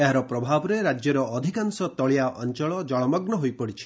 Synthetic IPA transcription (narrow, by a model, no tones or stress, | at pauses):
eɦaɾɔpɾɔbʱabɔɾeɾad͡ʒjɔɾɔːd̪ʱikansɔt̪ɔɭijaʔɔnt͡ʃɔɭɔd͡ʒɔɭɔmɔɡnɔɦojpɔɽit͡ʃʰi̥